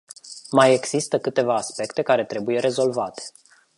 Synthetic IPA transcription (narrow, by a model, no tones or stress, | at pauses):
maje̞ɡz̥ist̪əkɨt̪e̞vaːspe̞kt̪e̞kaɾe̞t̪ɾe̞buje̞ɾe̞zo̞lvat̪e̥